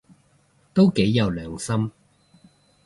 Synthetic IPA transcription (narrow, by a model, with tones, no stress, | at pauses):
t̪o˥wke˨˥jːɐ˨˧wlœː˨ŋsɐ˥m